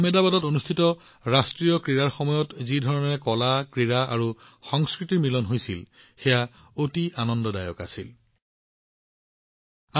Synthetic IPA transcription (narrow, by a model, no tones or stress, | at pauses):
mɛdabadɔtonustʰitɔ | ɹastɹijɔkɹiɹaɹxɔmɔjɔtzidʱɔɹɔnɛɛkɔlakɹiɹaa̰ɹu | xɔŋskɹitiɹmilɔnɦojsil | xɛja | otianɔndɔda̰jɔ̰ka̰sil | a